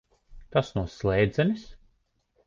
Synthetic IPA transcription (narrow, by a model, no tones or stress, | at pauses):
t̪asnuɔslˠɛjd̪zɛnis